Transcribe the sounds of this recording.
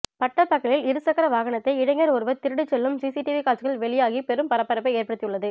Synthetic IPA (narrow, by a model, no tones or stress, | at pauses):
pɐʈːɐpːɐkːɐɭɪlɪɾɯsɐkɐɾɐʋaːɣɐɳɐt̪ːɐɪɪɽɐŋɡɐɾɔɾɯʋɐt̪ːɪɾɯɽɯt͡ʃːɛlːɯmsiːsiʈɪʋikaːt͡ʃːɯɣɐɭʋɛɭɪjaːɣipɛɾɯmpɐɾɐpːɐɾɐpːɐɪeːɾpɐɽɯt̪ːɪjɯɭːɐðɯ